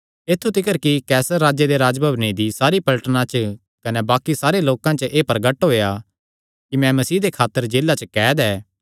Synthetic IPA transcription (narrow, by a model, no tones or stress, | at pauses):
eːt̪ʰːut̪ɪkəɾkikɛːsəɾːaːd͡ʒjed̪eɾaːd͡ʒbʱəbnid̪isaːɾipɐlʈənãt͡ʃə | kɐnɛbaːkisaːɾeloːkãt͡ʃəʔeːpɐɾɡəʈɦoːja | kimɛ̃mɐsiːd̪ekʰaːt̪ːəɾd͡ʒeːlːat͡ʃəkɛːd̪ɛː